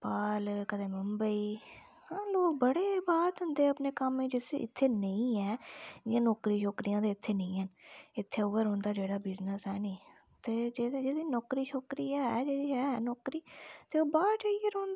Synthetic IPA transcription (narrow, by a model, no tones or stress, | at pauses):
paːlkət̪ʰeːməmbəiː | hãːloːk̚bəɽeːbaːt̪ɦʊ̃nd̪eːəpneːkəmẽːd͡ʒɪsɪ̰t̪ʰːeːnəĩːɛːɪjãːnɔːkɾiːʃokɾijãːt̪eːɪt̪ʰːeːnə̃ĩːɦənɪt̪ʰːeːʊʋəɾɦõːnd̪aːd͡ʒeːɽaːbɪznəsɦɛːnĩː | t̪eːd͡ʒed͡ʒeːd̪iːnɔːkɾiːʃokɾiːaːɦɛːd͡ʒeːd̪iːɛːɦɛːnɔːkɾiːt̪eːoːbaːɾt͡ʃaːieɾõːnd̪aː